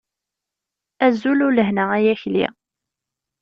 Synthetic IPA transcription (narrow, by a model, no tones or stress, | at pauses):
æzululəɦnəæjæçlḭ